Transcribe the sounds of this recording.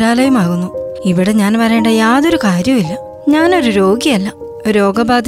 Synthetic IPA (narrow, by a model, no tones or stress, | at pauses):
ɾaːlɐjumaːɣunːuiʋiɽe̞ɲaːnpɐɾɐːɳɖɐjaːðo̞ɾukaːɾjɐmilːɐ | ɲaːno̞ɾuɾo̞ːɡijɐlːɐ | oɾo̞ːɡɐbaːd̪ʱ